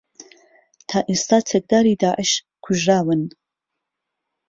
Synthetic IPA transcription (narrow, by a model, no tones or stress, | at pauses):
t̪ʰaːʔist̪aːt͡sʰɛk̚d̪aːɾiːd̪aːʔəʃ | kʰʊʒraːwɨn